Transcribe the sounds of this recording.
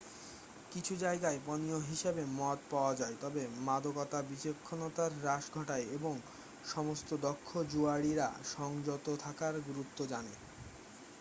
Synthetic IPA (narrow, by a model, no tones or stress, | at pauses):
kit͡ɕʰud͡ʑaeɡaepɔnioɦiʃebemɔt̪̚paoad͡ʑaet̪ɔbemad̪okɔt̪abit͡ɕekʰːonot̪aɾːaʃɡʱɔʈaeeboŋ | ʃɔmost̪od̪ɔkʰːod͡ʑuaɽiɾa̰ʃɔŋd͡ʑot̪ot̪ʰakaɾɡɾut̪ːod͡ʑane